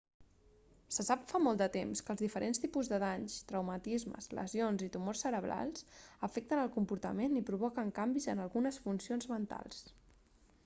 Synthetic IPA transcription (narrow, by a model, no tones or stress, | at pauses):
səsapfamɔlˠd̪ət̪emskəːlˠzðifəɾʔenst̪ipuzðəðaɲst̪ɾəwmət̪izmə̰zlʔə̰zionzit̪umorsəɾəβla̰lˠsəfɛk̚t̪ənəlˠkumpuɾt̪ə̰menipɾuβ̞ɔkəŋkambizənəlˠɣunəsfunsionzmənt̪a̰lˠs